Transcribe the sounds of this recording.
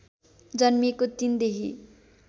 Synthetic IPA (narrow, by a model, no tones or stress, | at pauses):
d͡zʌnmikot̪ind̪eɦi